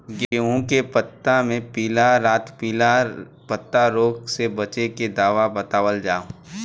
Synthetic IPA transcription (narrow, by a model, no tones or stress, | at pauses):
ɡeɦõkepət̪ːamẽpiːlaɾaːt̪piːla | pət̪ːaɾoːɡsebɐt͡ʃeked̪aːʋabət̪aːʋəld͡ʒaːõ